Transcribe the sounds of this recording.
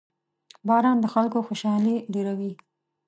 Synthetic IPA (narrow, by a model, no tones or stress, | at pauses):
bɑɾɑnd̪əxalkoxoʃɑlileɾawi